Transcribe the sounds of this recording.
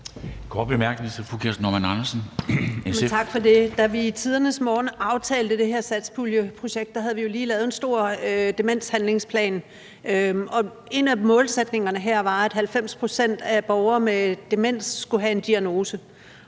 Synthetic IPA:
kʰɒ̰ːd̥̚b̥emæɐɡ̥ənit͡sʰe̝fukʰeɐsnɒmænɑnɐsn̩mt͡sʰɑ̈ɡ̥fɒ̽de̝d̥æʋiːt͡sʰið̞ˠɐnəsmɒːnɑ̈ʊt͡sʰɛ̰ːld̥əd̥e̝ɦeɐ̰sæd̥sb̥uljəpʰʁo̝ɕeɡ̥̚d̥ɑ̈ɦæð̞̩ˠʋijo̝liːlɛːð̞̩ˠensd̥o̝ɐ̰ød̥e̝men̰shænle̝ŋspʰlɛ̰ːn | øɒ̽ | e̝næmɔ̽ːlsed̥ne̝ŋɐnəɦæɐ̰ʋɑ̈æd̥hælfem̰spʰʁo̝sen̰d̥æb̥ɒʊɐːmed̥emen̰sːɡ̥uɦæe̝nd̥iæno̝ːsə

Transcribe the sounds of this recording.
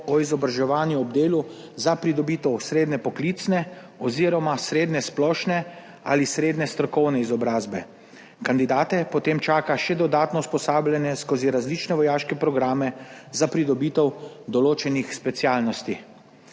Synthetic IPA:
ɔizɔbɾaʒɛʋaːnjuɔbd̪eːlu | zapɾid̪ɔbiːt̪ɛwsɾeːd̪nɛpɔklit̪snɛ | ɔziːɾɔmasɾeːd̪nɛsplɔːʃnɛ | a̰lisɾeːd̪nɛst̪ɾɔkɔwnɛizɔbɾaːzbɛ̰ | kand̪id̪aːt̪ɛpɔt̪eːmt͡ʃaːkaʃɛd̪ɔd̪aːt̪nɔuspɔsaːblʲjɛnjɛskoziɾazlit͡ʃnɛʋɔjaːʃkɛpɾɔɡɾaːmɛzapɾid̪ɔbiːt̪ɛwd̪ɔloːt͡ʃɛnixspɛt̪sjaːlnɔst̪i

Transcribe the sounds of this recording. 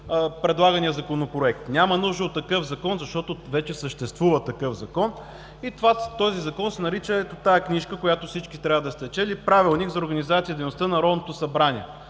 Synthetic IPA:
pɾɛd̪lˠaɡənijəzɐkonopɾoɛk̚t̪nʲamɐnuʒd̪əot̪ːɐkɤfzɐkɔnzɐʃt̪ɔt̪ovɛt͡ʃɛsəʃt̪ɛst̪vuvət̪ɐkɤfzɐkɔn | it̪vat̪ɔzizɐkɔnsɛnɐɾit͡ʃəɛt̪ot̪ajɛkniʃkəkojat̪ofsit͡ʃkit̪ɾʲavəd̪ɐst̪ɛt͡ʃɛlipɾavilˠnikzɐoɾɡɐnizat̪sijəd̪ɛjnost̪ənɐɾɔd̪not̪osɐbɾanʲiɛ̰

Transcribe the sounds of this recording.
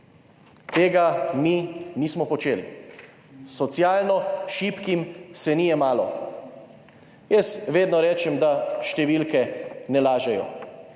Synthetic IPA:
t̪eːɡaminiːsmɔpɔt͡ʃeːlḭ | sɔt̪sjaːlnɔʃipkimsɛnijɛmaːlɔ | jɛsʋeːd̪nɔɾɛːt͡ʃɛmd̪aʃt̪ɛʋilkɛnɛlaːʒɛjɔ̰

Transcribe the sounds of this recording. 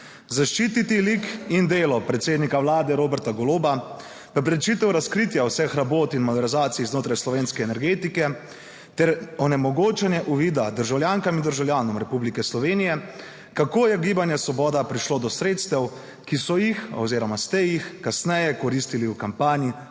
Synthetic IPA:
zaʃt͡ʃiːt̪it̪ilikind̪eːlɔpɾɛt̪seːd̪nikawlaːd̪ɛɾoːbɛɾt̪aɡɔloːba | pɛp̬ɾɛt͡ʃit̪ɛwɾaskɾiːt̪jawsɛxɾaboːt̪inmɔd̪ɛɾizaːt̪siznoːt̪ɾajslɔʋeːnskɛːnɛɾɡeːt̪ikɛ | t̪ɛɾɔnɛmɔɡoːt͡ʃɛnjɛʔuʋiːd̪ad̪əɾʒawljaːŋkamind̪əɾʒawljaːnɔmɾɛpublikɛslɔʋeːnijɛ | kakoːjɛɡiːbanjɛsʋɔbɔːd̪apɾiʃloːd̪ɔsɾeːt̪st̪ɛw | kisɔjixɔ̰wziːɾɔmast̪ɛjixkasnɛjɛkɔɾist̪iliukampaːnji

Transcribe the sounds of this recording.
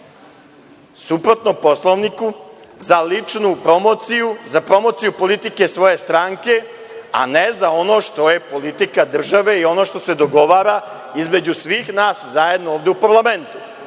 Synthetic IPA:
supɾot̪nopo̞slˠoʋnikuzalit͡ʂnupɾomosiuzapɾo̞mo̞t̪sijupo̞lit̪ike̞sʋo̞je̞st̪ɾaːŋke̞ | a̰nezao̞no̞ʃt̪o̞je̞po̞lit̪ikad̪r̩ʒaʋe̞io̞no̞ʃt̪o̞se̞d̪o̞ɡo̞ʋaːɾa | izme̞d͡ʑusʋixnaːszaje̞d̪nooːʋd̪eupaɾlˠame̞nt̪u̥

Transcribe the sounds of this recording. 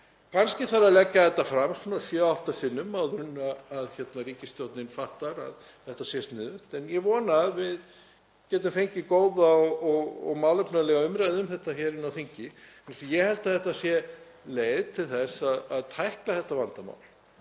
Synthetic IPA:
kʰanscɪθaɾaðlɛcːaθɛht̪ːafɾamsunasjœawht̪asɪnːʏmːawðɾʏnːaːðçɛt̪naɾiːcɪst̪jowt̪nɪnfaht̪aɾa̰ð | θɛht̪asjɛst̪nɛːðʏht̪ɛnjɛvɔːnaːðvɪð | cɛːt̪ʏmfejɲcɪkoːwðaɔɔɣɔ̰ɣmaːwlʏpnalɛːɣaʏmɾaðɪʏmθɛht̪açɛːɾɪnawθiɲcɪɛnsijɛhɛlt̪aθɛht̪asjɛ | leːjðt̪ʰɪlθɛsaðaðt̪ʰajhklaθɛht̪ːavant̪ama̰ːwl

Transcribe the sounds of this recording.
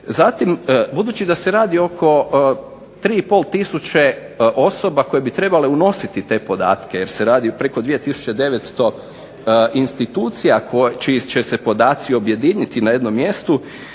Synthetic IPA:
zat̪imbud̪uːt͡ɕid̪ase̞ɾaːd̪io̞kʰo̞ | t̪ɾiːipo̞lˠt̪isut͡ɕe | ʔo̞sobako̞je̞bit̪ɾe̞bale̞uno̞sit̪it̪e̞ːpo̞d̪a̰ːt̪keje̞ɾseɾaːd̪ipɾe̞ko̞d̪ʋije̞t̪isu̥t͡ʃe̞d̪e̞ʋet̪st̪o̞ | inst̪it̪uːt̪sijakʰot͡ʃit͡ʃesepo̞d̪aːt̪sio̞bje̞d̪iɲit̪inaje̞d̪no̞mːje̞st̪u

